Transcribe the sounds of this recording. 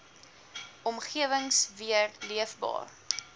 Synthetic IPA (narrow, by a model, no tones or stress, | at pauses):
ʔɔmχiəvəŋsviərliəfbɑ̰ːr